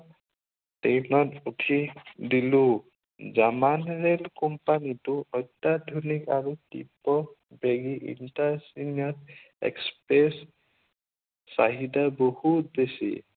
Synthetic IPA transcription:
tenɔtutʰidilu | d͡ʒamanɾelkɔmpanituɔjt̪ad̪ʱunikaɾutipɔ | bʱeɡiʔḭnʈasinjɔt | ḛkspɾes | a̰ɦid̪abɔhut̪̚besḭ

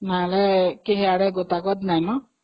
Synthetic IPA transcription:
nalɛkeɦɛaɽɛɡɔt̪aɡɔt̪najnɔ

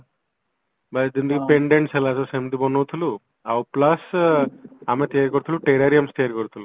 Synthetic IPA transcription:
bɐd̪ind̪ukipeɳɖeɳʈselasɔsemt̪ibɔnowt̪ʰulu | a̰wplɐs | amet̪ijaɾikɔɾut̪ʰiluʈeɾaɾijɐmst̪ijaɾikɔɾut̪ʰulu

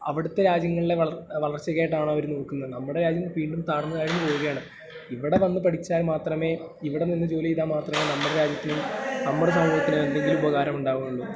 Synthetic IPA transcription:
ɐ̰ʋiɽut̪ːeɾaːd͡ʑjɐŋːɐɭile̞ʋɐɐʋɐɭɐrt͡ɕːɐɣeːjʈːaːɳɐʋɐɾuno̞ːkːunːɐnɐmːuɽe̞ɾaːd͡ʑjɐmʋiːɳɖumt̪aːɽnːɐðaːjiɾunːɨpo̞ːʋuɣɐjaːɳɨ | iʋiɽe̞ʋɐnːɨpɐʈʰit͡ɕːaːlmaːt̪rɐme̞ː | iʋiɽeninːɐd͡ʑo̞ːlijiðaːmaːt̪rɐmenɐmːuɽeɾaːd͡ʑjɐt̪ːinumnɐmːuɽes̬ɐmɡoːikʲːunɐðe̞nd̪e̞ŋɡilubɐɣaːɾɐmuɳɖaːɣumuɭɖu

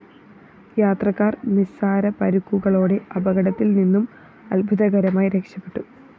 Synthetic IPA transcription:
jaːt̪rɐkːaːrnisaːɾɐpɐɾukːuɣɐɭo̞ːɽe̞ɐbɐɣɐɽɐt̪ːilninːum | ɐlbʱuðɐɡɐɾɐmaːjiɾe̞kʂɐpːe̞̥ʈːu

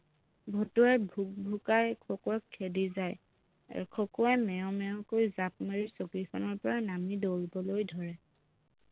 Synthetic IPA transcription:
bʱɔtuɛbʱuk̚bʱukajkʰɔkɔɛkʰːedizaj | a̰kʰɔkɔɛmɛɔ̃mɛɔ̃kojzap̚meɹisokɹikʰɔnɔɹpɔɹanamidoɹibɔlojdʱɔɹɛ

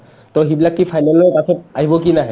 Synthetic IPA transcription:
tɔɦibilakːipʰajnalɔjmasʰɔt̚aɦibɔkinaɦɛ

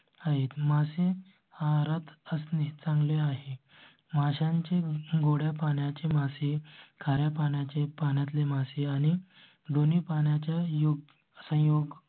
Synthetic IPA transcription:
aɦet̪mase | aɾat̪əsnit͡sãŋɡleaɦe | maɕãɲt͡ɕeɡoɽjapaɳjat͡ɕemasekʰaɾjapaɳjat͡ɕepaɳjat̪lemaseañi | d̪onipaɳjat͡ɕjajoɡ̚ | sə̃joɡ

